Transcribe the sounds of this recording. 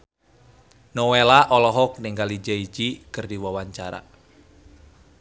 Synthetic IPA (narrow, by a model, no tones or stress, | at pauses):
nɔwelaʔɔlɔɦɔk̚nɪŋɡalid͡ʒaid͡ʒikɨrdiwawaɲt͡ʃaɾa̰